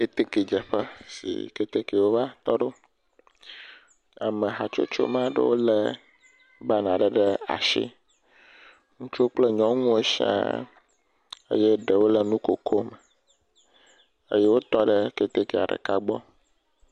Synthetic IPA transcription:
e˦t̪e˦ke˨d͡ʒɛ˨ɸə˦sḭ˨ke˦t̪e˦ke˨wo˦va˦t̪ɔ˦ɖo˦ | a˨mẽ˨ɦa˨t͡ʃo̰˦t͡ʃo̰˦mã˦ɖḛ˦wo˦lɛ˦ | ba˦nã˨ɖɛ˨ɖɛ˦a̰˨ʃḭ˦ | ŋũ˦t͡ʃo˦k͡ple˦ɲɔ̃˦ŋũ˦e˦ʃi˦ã̰˦ | ḛ˦je˦ɖe˨wo˦lɛ˨nũ˦ko˨kʰo˦mɛ˨ | ḛ˦je˦wo˦t̪ɔ˦ɖɛ˦ke˨t̪e˦ke˨a̰˨ɖə̰˨ka˦ɡ͡bɔ˦

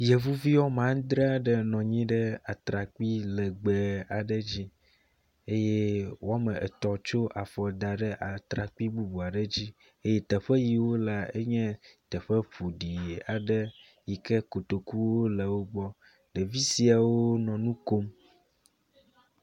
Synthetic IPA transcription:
jɛ˨vu˦vi˦wɔ˦mã˦ŋ˦d̪ɾe˦a˨ɖə˨nɔ̃˨ɲĩ˦ɖɛ˦a˨t̪ɾa˨k͡pi˦lɛ˨ɡ͡bɛ˨a˨ɖə˦d͡ʑi˦ | e˦je˦wʔo˦a˦mə̃˨ʔɛ˨t̪ɔ˨t͡ʃo˦ʔa˨fɔ˨d̪a˨ɖɛ˦ʔa˨t̪ɾa˨k͡pi˦bu˦bu˨a˨ɖə˦d͡ʑi˦ | e˦je˦t̪ɛ˨ɸɛ˦ji˨wo˦la˨e˦ɲɛ̃˦t̪ɛ˨ɸɛ˦ɸu˨ɖi˨a˨ɖə˦ | ji˨kɛ˦ko˨t̪o˨ku˦wo˦lɛ˨wo˦ɡ͡bɔ˦ | ɖɛ˨vi˦si˨a˨wo˦nɔ̃˨nũ˦ko˦m

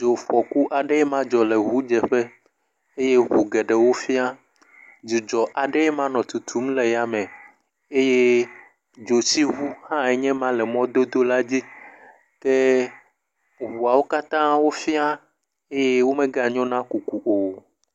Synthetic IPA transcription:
d͡ʒo˨ɸɔ˨ku˦ʔa˨ɖe˦ɛ˦mã˦d͡ʒɔ˨le˨ɦu˦d͡ʒɛ˨ɸe˦ | e˦je˦ɦu˨ɡɛ˨ɖɛ˨wo˦fi˦a˦ | d͡ʒu˨d͡ʒɔ˨ʔa˨ɖe˦ɛ˦mã˦nɔ̃˨t̪u˨t̪ʰu˨˦m˦le˨ja˦mɛ̃˨ | e˦je˦ | d͡ʒo˨si˦ɦu˦hã˦ɛ˨ɲɛ̃˦mã˦lɛ˨mɔ̃˦d̪o˦d̪o˦la˦d͡ʑi˦ | t̪ɛ˦ | ɦu˨a˨wo˦ka˦t̪ã˦wo˦fi˦a˦ | e˦je˦wo˦mẽ˦ɡa˦ɲɔ̃˦nã˦ku˨ku˨ʔo˨

